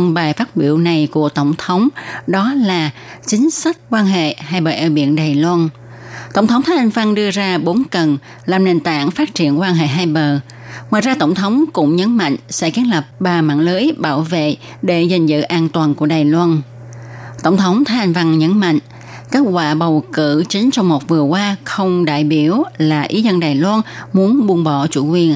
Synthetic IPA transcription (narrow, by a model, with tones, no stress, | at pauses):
ŋ͡mɓaː˨˩jfaː˦˥t̚ɓḭ˧˩˨əwna˨˩jku˧˩ət̪ə˧˩wŋ͡mt̪ʰə˨˦wŋ͡mɗɔ˨˦laː˨˩t͡ɕï˨˦ŋ̟sa˦˥jk̟̚kwaː˧nɦḛ˧˨haː˧jɓəː˨˩ʔaː˧˩ɓḭ˧˨ənɗaː˨˩jlwa˧n | t̪ə˧˩wŋ͡mt̪ʰə˨˦wŋ͡mt̪ʰaː˦ʔa˧jŋ̟va˧ŋɗɨ˧əzaː˧ɓo˨˦nkə˨˩n | laː˨˩mne˨˩nt̪a̰ː˧˨ŋfaː˦˥t̚t͡ɕi˧˩˨ənkwaː˧nɦḛ˧˨ɦaː˧jɓəː˨˩ | ŋwaː˨jzaː˧t̪ə˧˩wŋ͡mt̪ʰə˨˦wŋ͡mkʊ̰˧˥ŋ͡mɲə˨˦nma̰˧˨ŋ̟sɛ̰˧˥ki˨˦ənlə˨˩p̚ɓaː˨˩ma̰ː˧˨nləː˨˦jɓaː˧˩wvḛ˧˨ | ɗe˧˩za˨˩ŋ̟zɨ̰˧˨ʔaː˧nt̪waː˨˩nku˧˩əɗaː˨˩jlwaː˧n | t̪ə̰˧˩wŋ͡mt̪ʰə˨˦wŋ͡mt̪ʰaː˨˦ʔa˧jŋ̟va˧ŋɲə˨˦nma̰˧˨ŋ̟ | keː˦˥t̚kwa̰ː˧˨ɓə˨˩wkɨ̰˧˨t͡ɕï˨˦ŋ̟t͡ɕɔ˧wŋ͡mmo˨˩t̚vɨ˨˩əkwaː˧xə˧wŋ͡mɗa̰ː˧˨jɓi˧˩əwlaː˨˩ʔi˨˦zə˧nɗaː˨˩jlwaː˧nmu˨˦ənɓu˧ŋɓɔ˧˩t͡ɕṵ˧˥kwi˨˩ən